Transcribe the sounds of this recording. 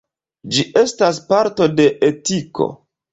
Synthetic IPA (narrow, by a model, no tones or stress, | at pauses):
d͡ʒiʔe̞staspaɾto̞de̞ʔetikʰo̞̰